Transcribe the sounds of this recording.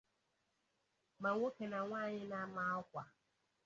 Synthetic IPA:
ma˨ŋʷo˦ke˨na˨ŋʷaː˦˨ɲɪ˦na˦ma˦ɔ˦kʷa˨

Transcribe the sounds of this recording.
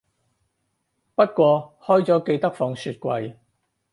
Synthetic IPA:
pɐ˥t̚kʷɔː˧hɔː˥jt͡sɔː˨˥ke˧jt̪ɐ˥k̚fɔː˧ŋsyː˧t̚kʷwɐ˧j

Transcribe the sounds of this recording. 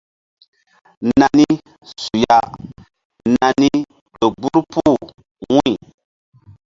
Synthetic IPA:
na˨ni˦ | su˨ja˦ | nã˨ni˦ | do˨ɡ͡bu˦ɾpu˦˨ | wũ˦˨

